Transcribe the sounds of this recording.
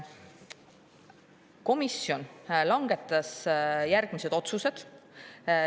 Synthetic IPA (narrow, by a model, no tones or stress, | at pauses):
ko̞misːjo̞nlɑŋɡ̥e̞t̪ˑːɑsjærɡ̥mise̞d̪̥o̞t̪suse̞d̪̥